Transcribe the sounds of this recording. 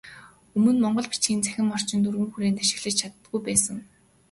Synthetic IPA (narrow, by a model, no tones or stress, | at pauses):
ɵmɵ̆nmɔɴɢɞ̆ɮpi̥t͡ɕɡʲiːnt͡sæ̥xʲɪ̆mɔr̥t͡ɕɪ̆nt̪urɣɘ̆ŋxuɾeːnt̪ʰaʃɪ̆ɮə̆t͡ɕt͡ɕʰat̪ə̆ɡujpæːsə̆ŋ